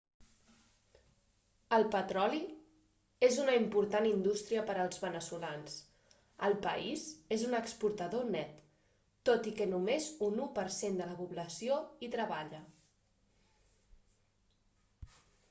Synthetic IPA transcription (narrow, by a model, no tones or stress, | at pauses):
əlˠpət̪ɾɔli | ezunəimpuɾt̪anind̪ust̪ɾiəpəɾəlˠzβənəsulans | ə̰lˠpə̰izezunəkspuɾt̪əðonɛt̪ː | ot̪ikənumezunupəɾsend̪ələpuβləsioit̪ɾəβ̞aʎə